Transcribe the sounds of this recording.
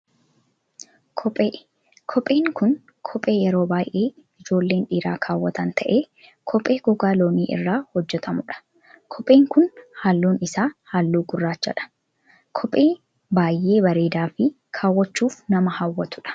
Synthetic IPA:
kʰɔpʼeː | kʰɔpʼe̞ːŋkʊn | kʰɔpʼe̞ːjɛɾo̞ːbaːjʔe̞ːɪd͡ʒo̞ːlːe̞ːnᶑiːɾa̰ːkʰaːwːɐt̪ɐnt̪ʰɐʔeː | kʰɔpʼeːɡɔɡaːlo̞ːniːʔɪ̰rːaːhɔd͡ʒːɛt̪ʰɐmʊᶑɐ̥ | kʰɔpʼe̞ːŋkʊnhaːlːuːnɪsaːhaːlːuːɡʊrːaːt͡ʃːɐ̰ᶑɐ̥ | kʰɔpʼe̞ː | baːjʔe̞ːbɐɾe̞ːd̪aːfɪ | kʰaːwːɐt͡ʃːuːfnɐmɐhawːɐt̪ʊᶑɐ̥

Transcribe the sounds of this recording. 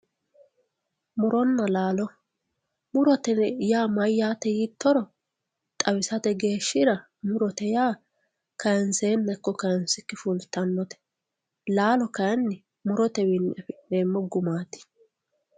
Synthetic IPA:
mʊɾɔnːɐlaːlɔ | mʊɾɔt̪ɛjaːmɐjːaːt̪ɛjit̪ʰːɔɾɔ | t̪ʼɐwɪsɐt̪ɛɡe̞ːʃːɪɾɐ | mʊɾɔt̪ɛjaː | kɐnseːnːɛkːɔkɐnsɪkːɪfʊlt̪ːɐnːɔt̪ɛ̥ | laːlɔkɐnːɪ | mʊɾɔt̪ɛwɪnːʔɛfɛeːmːɔɡʊmaːt̪ɪ̥

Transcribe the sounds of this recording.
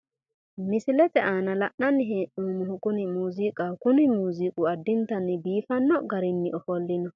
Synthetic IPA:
mɪsɪlɛt̪ɛʔaːnɐlɐʔɐnːɪɦeːʔuːmʊhʊkʊnɪmuːzikʼakʊnɪmuːziːkʼʊɐd̪ːɪnt̪ɐnːɪbiːfɐnːɔɡɐɾɪnːɪʔɔfɔlːɪnɔ

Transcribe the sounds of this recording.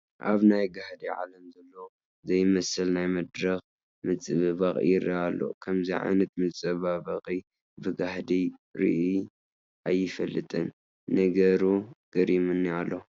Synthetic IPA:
ʔaβnajɡahd̪iʕa̰lɐmzɐlːo | zɐjɪmɐsɨlnajmɐd̪ɾɐx | mɨt͡sʼɨβɨβaχʼḭɪɾḭalːo̰kʰɐmziʕa̰jnɐt̪̚mɨt͡sʼɐβabɐχʼi | bɨɡahd̪iɾḭʔi | ʔajːɪfɐlːɨt̪ʼɨ̰n | nɐɡɐɾuɡ̥ɐɾimɨnːialːo

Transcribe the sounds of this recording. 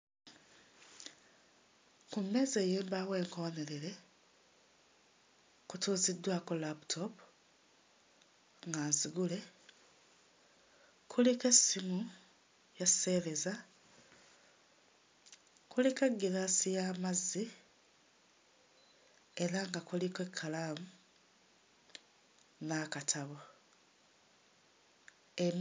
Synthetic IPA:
kumːe̞ːze̞ːjeːmbawe̞ːŋko̞ne̞ɾeɾe̞ | kutuːzid̪waːkolapu̥tʰo̞p | ŋɡaːnziɡule̞ | kʰulike̞simu | jase̞ɾe̞za | kulike̞ɡːiɾaːsijaːmazːi | eɾaŋɡakulikwe̞kʰːalaːmu | nakatʰaβo | em

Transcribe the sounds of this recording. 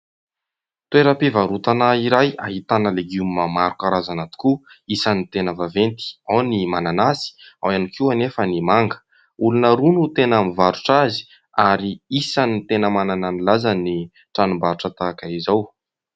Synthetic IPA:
t̪ueɾəpivaɾut̪anaiɾaja̰ɦit̪anəleɡiummamaɾukaɾazanat̪u̥kuisanit̪enəvavent̪i̥awnimananasi̥a̰wanikuanefənimaŋɡə̥ | ulunəɾunut̪enamivaɾuʈ͡ʂazi̥ | aɾiisanit̪enəmanananilazani | ʈ͡ʂanumbaɾuʈ͡ʂət̪akaizaw

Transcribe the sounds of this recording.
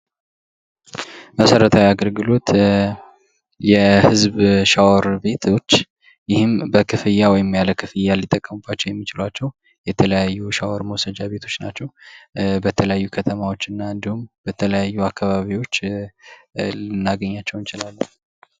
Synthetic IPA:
məsəɾət̪ʰawiaɡəlɡɨlo̞t̪ | jɛhɨzbʃawɾbe̞t̪ʰot͡ʃː | jɪhɨmbəkʰɨfɨjːawɔjɪmjaləkʰɨfɨjːalːit̪ʼəkʼːəmubːat͡ʃːɛwjɛmːit͡ʃɪlwat͡ʃːɛw | jɛt̪ʰələjajːuʃawəɾməwsəd͡ʒaβe̞t̪ʰo̞t͡ʃːnat͡ʃːɛwbət̪ʰələjajːukʰət̪ʰəmawo̞t͡ʃːɨnːaɨnd̪ihumbət̪ʰələjajːuakʰːaβaβiwo̞t͡ʃː | lɨnːaɡəɲːat͡ʃːɛwnt͡ʃɪlalː

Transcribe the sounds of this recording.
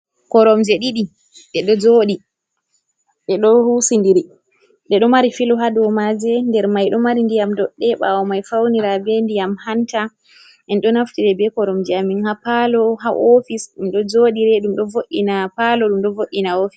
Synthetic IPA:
kɔɾɔmd͡ʒɛɗiɗi | ɗɛɗɔd͡ʒoːɗi | ɗɛɗɔhusindiɾi | ndɛɗɔmaɾifilɔɦaɗɔwmad͡ʒɛndɛɾmajɗɔmaɾindijamdɔɗːɛɓa̰wɔmajfawniɾabɛndijamhanta | ɛnɗɔnaftiɾɛbɛkɔɾɔmd͡ʒɛaminhapalɔɦaʔofisɗumɗɔd͡ʒoɗiɾɛɗumɗɔvoɗːinapalɔɗumɗɔvoɗːinaofi̥

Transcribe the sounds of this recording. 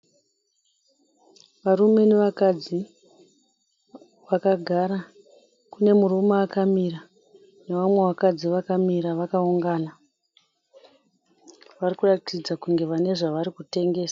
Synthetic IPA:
ʋarume̞neʋakad͡zi | ʋakaɡʱaɾa | kune̞muɾumaːkamira | neʋamwe̞wakad͡ziʋakamiɾaʋakauŋɡaːna | ʋarikuratid͡zakuŋɡe̞ʋane̞ʐaʋaɾikute̞ŋɡe̞ːsḁ

